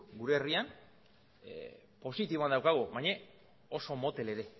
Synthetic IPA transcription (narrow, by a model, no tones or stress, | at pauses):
ɡuɾeːrian | po̞sit̪iβand̪awkaɣ̞uβajɲe | o̞so̞mo̞t̪e̞le̞ɾe̞